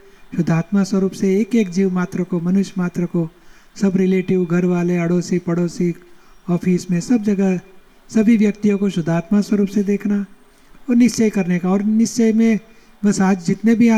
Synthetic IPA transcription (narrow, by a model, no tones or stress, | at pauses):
ʃʊd̪ʱːaːt̪maswəɾuːpseeːkeːkd͡ʒiːʋmaːt̪ɾəkomɐnʊʃjmaːt̪ɾəkosɐbɾɪleːʈɪʋɡʱɐɾʋaːleɐɽoːsipɐɽoːsiɔːfʰiːsmẽsɐbd͡ʒɐɡə | sɐbʱiʋjɐk̚t̪ijõkoʃʊd̪ʱaːt̪maswɐɾuːpsed̪eːkʰna | ɔːɾnɪst͡ʃɛjkɐɾnekaɔːɾnɪst͡ʃəjmẽ | bɐsaːd͡ʒd͡ʒɪt̪nebʱia